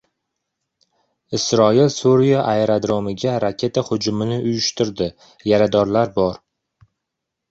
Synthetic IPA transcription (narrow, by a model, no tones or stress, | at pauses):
ɪsɾɒilsuɾijaʔaeɾad̪ɾomɪɡʲaɾakʲʰe̞t̪ʰahʊd͡ʒʊmɪnɪʔʊjʊʃt̪ɪɾd̪ɪ | jaɾad̪ɒɾlaɾbɒɾ